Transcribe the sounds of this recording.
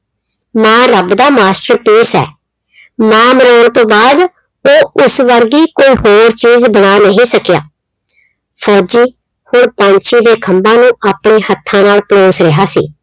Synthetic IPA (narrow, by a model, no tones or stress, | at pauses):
mɛ̃ːɾəbd̪aːmaːsʈəɾpiːsɛ̰ː | mɛ̃ːməɾaːɳt̪õːbaːd̪ | oːʊsʋəɾɡiːkoːiːɦoːɾt͡ʃiːzbəɽ̃aːnəɦĩːsəkja̰ː | pʰɔːd͡ʒiː | hoɳpãːnt͡ʃʰiːd̪eːkʰəmbãːnũːʔaːpɳeːhət̪ʰːãːnaːlploːsɾeɦaːsḭː